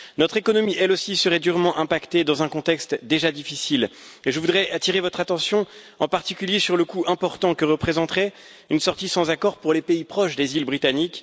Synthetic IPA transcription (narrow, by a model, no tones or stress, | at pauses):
nɔt̪χekɔnɔmiʔɛlosisəʁɛd̪yʁmɑ̃ʔɛ̃pakt̪ed̪ɑ̃zɛ̃kɔ̃t̪ɛkst̪d̪eʒad̪ifisileʒəvud̪ʁɛʔat̪iʁevɔt̪χat̪ɑ̃sjɔ̃ | ɑ̃paʁt̪ikʲyljesyʁləkuʔɛ̃pɔʁt̪ɑ̃kəʁəpχezɑ̃t̪χɛ | ynsɔʁt̪isɑ̃zakɔʁpuʁlepeipχɔʃd̪ezilbʁit̪anik